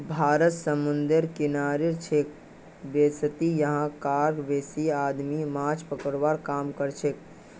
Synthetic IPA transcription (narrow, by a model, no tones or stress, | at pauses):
bʱaɾət̪səmund̪əɾkinaɾeɾt͡ʃʰek̚ | best̪ijəɦãkaɾɡbesiad̪mimãt͡ʃpəkəɾbaɾkamkəɾt͡ʃʰek̚